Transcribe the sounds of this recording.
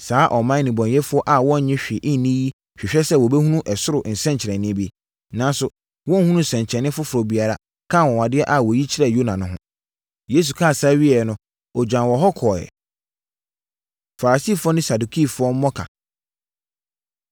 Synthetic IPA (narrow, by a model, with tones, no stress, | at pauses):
saː˨˦ʔɔ˨mã˦nĩ˨bɔ̃˨njɛ˦fʊ˦ɔ˦ʔa˨wɔ̃˦ɲ̩˨ɲɪ̃˦ɕᶣɪ˨ʔɪ̃˦n˨˦nĩ˦ji˦ | ɕᶣɪ˨ɕᶣɛ˦sɛ˦˨wɔ˨bɛ˦hũ˦nũ˦ʔɛ˨sʊ˦ɾʊ˨n̩˨sɛ̃˦ɲt͡ɕʰɾɛ̃˨nɪ̃˦bi˦ | nã˦n˦sʊ˨ | wɔ̃˦hũ˦ũ˦˨sɛ̃˨ɲ˨t͡ɕʰɛ˨nɪ̃˦fʊ˦fʊ˨ɾɔ˨bi˨a˨ɾa̰˨ | kʰã˦˨wɔ̃˨wa˨dɪ˦ɛ˦ʔa˦˨wɔ˨ji˦t͡ɕʰɪ˦ɾɛ˨jo˦nã˨nʊ̃˦ɦʊ̰̃˦ | je˨˦s̬u˨kʰa˦˨sa˦ɥɪ˦ɛ˨nʊ̃˦ | ɔ˨d͡ʑᶣã˨wɔ˨ɦɔ˦kʰɔː˨ɛ̰˨ | fa˨ɾa˨siː˦˨fʊ˦ɔ˦nʊ̃ɪ̃˦sa˨du˨kʰi˦˨fʊ˦ɔ˦m̩˦mɔ˦kʰã̰˨